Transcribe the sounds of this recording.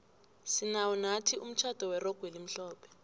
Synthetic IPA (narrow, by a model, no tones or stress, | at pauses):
sinawunatʰium̩t͡ʃʰad̥ʱɔwɛrɔɡ̥ʱwelim̩ɬɔːpʰɛ̥